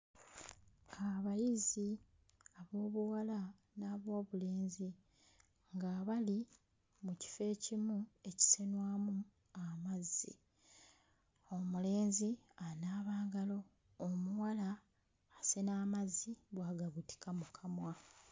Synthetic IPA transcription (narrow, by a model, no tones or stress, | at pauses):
aβajizi | aβo̞ːβuwala | naːβo̞ːβule̞ːnzi | ŋɡaβali | muci̥fe̞ːcimue̞ci̥senwaːmu | amazːḭ | o̞mule̞ːnzianaːβaːŋɡalo̞ː | muwalaː | senaːmazːiβwaːɡaβuti̥kamukʰamwa